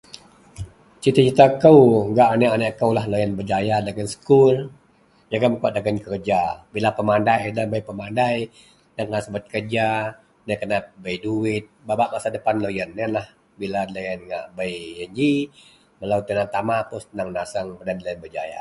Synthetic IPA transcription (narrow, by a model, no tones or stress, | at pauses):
t͡ʃit̪at͡ʃit̪akəwŋɡaʔanəʔanəʔkəwlahlojənbəd͡ʒajadaɡənsə̥kul | d͡ʒaɡaməkuaʔ̚daɡənkərd͡ʒabilapəmandajnəbəjpəmandaj | naŋkənasəbət̪̚kərd͡ʒa | nəkənat̪̚bəjduɪt̪̚babaʔmasadəpanlojənːənlah | bilalojənŋa̰ʔbəjəɲd͡ʒi | məlawt̪ənat̪amapʊsnaŋnasəŋbədanlojənbəd͡ʒa̰ja̰